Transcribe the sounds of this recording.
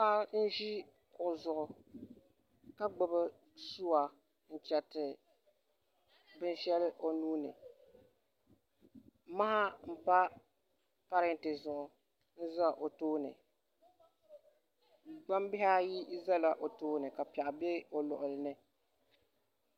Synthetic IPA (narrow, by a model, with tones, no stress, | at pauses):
pa˦n̩˦ʒi˦ | kʊ˨ʔʊ˨zʊ˨ʔʊ˨ | ka˦ɡ͡bʊ˦bɨ˦ | su˦wa˨ | n̩˦˨t͡ʃɛ˨tɪ˨ | bɨ˦n˦ʃɛ˦lɨ˦ʔo˨nuː˦nɨ̰˨ | ma˦ha˦m̩˦˨pa˦ | pa˦ɾɨ˦n˨tɨ˨zʊ˨ʔʊ˨ | n̩˦za˦ʔo˨toː˦nɨ̰˨ | ɡ͡ba˦m˦bɪ˦ɦa˦ji˦za˦la˨ʔo˨toː˦nɨ˨ka˨pi˨ɛ˨ʔbe˦o˨lʊ̰˨ʔʊ˨lɨ˨nɨ˦